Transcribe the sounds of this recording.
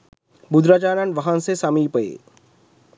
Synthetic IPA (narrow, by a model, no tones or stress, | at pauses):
bʊd̪ɾaːt͡ʃaːnanʋɐɦansesaːmipəḛː